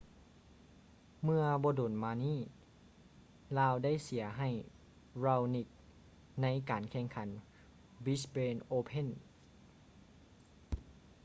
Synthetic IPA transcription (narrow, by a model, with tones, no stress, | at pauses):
mɯ˧ɐbɔː˧doː˨˩nmaː˧niː˥˩ | laː˧wda˥˩jsi˨˩˦ɐɦa˨˩j | ɾa˧wni˧˩k̚ | na˧˥jkaː˨˩nkʰɛː˧˩ŋkʰa˩˦n | bi˦˥speː˧nʔoː˧pʰe˥˨n